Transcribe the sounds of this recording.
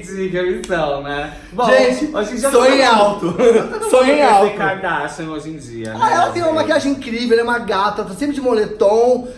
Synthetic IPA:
d͡ʒiɡeɾĩt̪ɐ̃w̃nɛ | bõʒẽt͡ʃɪoʒĩd͡ʒiɐsõẽj̃awt̪ʊnɐ̃sõj̃j̃awẽtkʊaɾd̪asẽj̃oʒĩd͡ʒḭɐ̰aɛlɐt̪ẽj̃ũmɐ̃makiaʒẽĩkɾivew̪ɛũmɐɡat̪ɐt̪asẽpɾɪd͡ʒɪmolet̪õw̃

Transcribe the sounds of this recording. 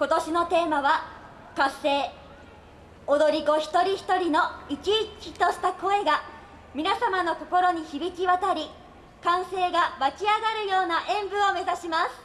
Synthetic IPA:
ko̞t̪o̞ɕino̞t̪e̞ːmaβa | kasːe̞ː | od̪o̞ɾʲiɡo̞çi̥t̪o̞ɾʲiçi̥t̪o̞ɾʲino̞it͡ɕiːkʲit̪o̞ɕi̥t̪ako̞e̞ɡa | mʲinasamano̞ko̞ko̞ɾo̞ɲ̟içibʲikʲiβat̪aɾʲi | kãɰ̃se̞ːɡamat͡ɕiaɡaɾɯ̟jo̞ːnaʔẽ̞mbɯ̟o̞me̞zaɕimasɨ̥

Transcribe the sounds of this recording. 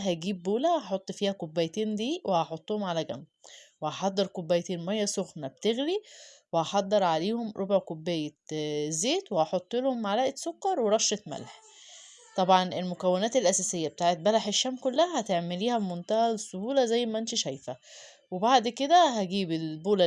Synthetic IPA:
ɦæɡiːbːoːlæhɑħot̪ˤːfiːhækobːæjt̪iːnd̪iːwʔehɑħot̪ˤːohomʕalæɡæ̰mːwehɑħɑd̪ˤːeɾkobːæjt̪eːnmæjːæsoxnæb̚t̪eɣliwehɑħɑd̪ˤːeɾˤʕaleːhomɾˤobʕkobːæjezːeːt̪wehɑħot̪ˤːelhomʕalæːʔet̪sokːɑɾˤweɾˤɑʃːet̪mæ̰lħ | t̪ˤɑbʕɑnʔelmokæwːenæːt̪elʔæsæsejːæbet̪aːʕet̪̚bælaħeʃːæːmkolːæhæhæt̪eʕmeliːhæbmont̪æhælesːohuːlæzæjːmæʔænt̪iʃæjfæ | webaʕd̪ked̪æhæɡiːbelboːlæ

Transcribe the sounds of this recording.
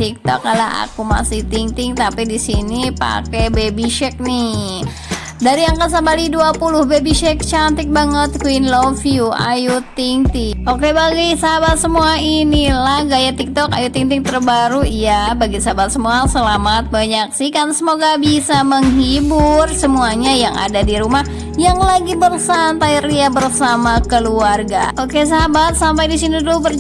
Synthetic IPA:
t̪ik̚t̪ɔ̰kːalaa̰kuma̰sɪht̪iŋt̪ɪŋt̪apidisinipa̰kebebiʃɛk̚nih | daɾijaŋkəs̬abaliduapuluhbebiʃɛk̚t͡ʃant̪ɪk̚baŋət̪̚kwinlofjua̰jut̪iŋt̪iokebaɡisabat̪səmuainilahɡajat̪ik̚t̪ɔka̰jut̪iŋt̪ɪŋt̪ərbaɾujabaɡisaɦabat̪̚səmuasəlamat̪̚baɲak̚sihkansəmoɡabisaməŋɦibʊrsəmuaɲajaŋa̰dadiɾumah | jaŋlaɡibərsant̪ajriabərsamakəluarɡa̰okes̬aɦabat̪̚sampajdisinidubər

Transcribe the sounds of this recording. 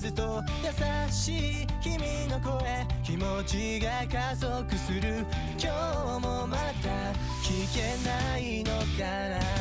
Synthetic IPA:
zɨt̪o̞jasaɕiː | kʲimʲino̞ko̞e̞kʲimo̞t͡ɕi | ɡakazo̞kɯ̟sɨɾɯ̟ | kʲo | mo̞mat̪a | kʲike̞naino̞ka | ɾa

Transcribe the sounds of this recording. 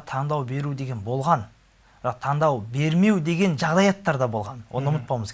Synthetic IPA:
t̪ʰɑɴd̪ɑwbe̞ɾud̪e̞ɡʲe̞nbo̞lˠʁɑn | b̥ɾɑq̚t̪ʰɑɴd̪ɑwbe̞ɾme̞wd̪e̞ɡʲe̞nʒɑʁd̪ɑjɑt̪ːɑɾd̪ɑbo̞lˠʁɑnwʔo̞̰nəʊmət̪̚pɑməz

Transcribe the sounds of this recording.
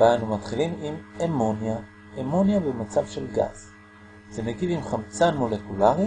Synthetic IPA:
vanumat̪χilimimemonja | emo̞njabemat͡savʃelɡa̰z | zeneɡidimχamt͡sanmo̞lekulaʁi

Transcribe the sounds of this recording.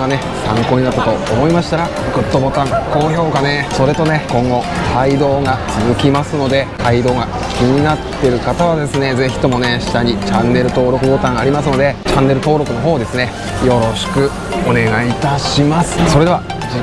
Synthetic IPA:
ane̞ | sãŋko̞ːɲ̟inat̪ːat̪o̞ːmo̞imaɕi̥t̪aɾa | kɯ̟t̪ːo̞bo̞t̪ãŋko̞ːço̞ːkane̞so̞ɾe̞t̪o̞ne̞kõ̞ŋɡo̞kʰaid̪o̞ːɡat͡sɨzɨkʲimasɨno̞d̪e̞kaid̪o̞ːɡa | kʲiɲ̟inat̪ːe̞ɾɯ̟kat̪aβad̪e̞sɨne̞ze̞çʲi̥t̪o̞mo̞ne̞ɕi̥t̪aɲ̟it͡ɕãnːe̞ɾɯ̟t̪o̞ːɾo̞kɯ̟bo̞t̪ãɰ̃aɾʲimasɨno̞d̪e̞t͡ɕãnːe̞ɾɯ̟t̪o̞ːɾo̞kɯ̟no̞ɦo̞ːd̪e̞sɨne̞ | jo̞ɾo̞ɕi̥kɯ̟ | o̞ne̞ɡait̪aɕimasɨ̥so̞ɾe̞d̪e̞βa | i

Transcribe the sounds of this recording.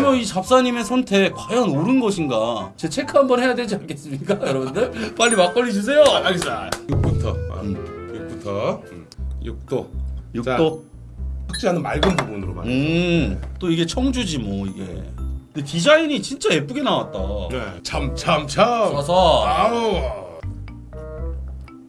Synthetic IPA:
mjʌit͡ɕap̚s͈aɲime̞sʰʌntʰe̞kwajʌnoɾɯnɡʌɕʰiŋɡat͡ɕe̞t͡ɕʰe̞kʰaɦambʌnhejadwed͡ʑiankʰe̞s͈ɯmɲik͈ajʌɾʌbundɯɭmaʎːimak͈ʌʎːid͡ʑus̬ʰe̞jo | juk̚p͈utʰʌ̰ | juk̚p͈utʰʌ | juk̚t͈ojukt͈o | ak̚t͡ɕ͈iɦanɯnma̰ɭɡɯnbubunɯɾo̰ma̰nɯ | t͈oiɡe̞t͡ɕʰʌŋd͡ʑud͡ʑimwʌiɡe̞̰ɯndetid͡ʑaiɲit͡ɕint͡ɕ͈ae̞p͈uɡe̞nawat̚t͈anet͡ɕamt͡ɕʰamt͡ɕʰaʌsʰʌ

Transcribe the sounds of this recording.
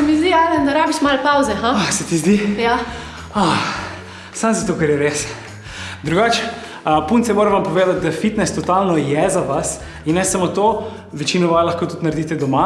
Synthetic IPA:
sɛmizd̪iaːd̪ɛnd̪ɐɾaːbiʃmalpawzɛɦãasɛt̪izd̪ija | a | samzat̪okɛɾjɛɾes | d̪ɾuɡaːt͡ʃɛ̥ | punt̪sɛmoːɾɛʋampɔʋeːd̪at̪̚d̪afit̪nɛst̪ɔt̪alnɔjɛzaʋas | inːɛsamot̪o | ʋɛt͡ʃinɔʋalaxkoːt̪ut̪nɐɾd̪it̪ɛd̪ɔma

